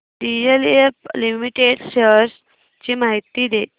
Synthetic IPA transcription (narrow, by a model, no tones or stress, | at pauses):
ɖijeleflimiʈeɖɕəɾs | t͡ɕiːmaɦit̪id̪e